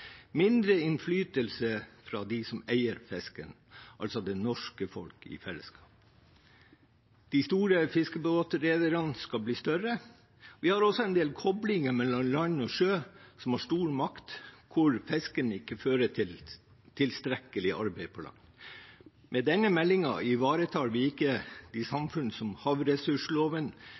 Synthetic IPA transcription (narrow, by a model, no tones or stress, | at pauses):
mɪnd̪ɾəɪnflyːt̪əlsəfɾɑːd̪ɪsɔmæɪəɾfɛskə̰n | ʔɑ̰lsɔd̪ɛnɔʂkəfɔ̰lkɪ̰fɛlːə̰skʰɑːp̚ | d̪̥ɪst̪uːɾəfɪskəbəbɑːt̪ːəɾeːd̪əɾɑnskɑlbliːst̪œɾə | ʋɪhɑɾɔsːɔɛnd̪eːlkʰɔblɪŋəmɛlːɔmlɑnɔʂøːsɔmhɑːʂʈuːɾmɑkt̪kʰʊɾfɛskənɪkːəføːɾətʰɪl | t̪ʰɪlst̪ɾɛkːəlɪʔɑ̰ɾbɛɪpʰɔlɑ̰ŋ | mʔɛd̪ɛnːəmɛlːɪŋɑ̰ʔɪʋɑːɾət̪ʰɑːɾʋɪɪkːəd̪̥ɪsɑmfʉnəsɔmhɑʋɾɛsʉʂloːʋən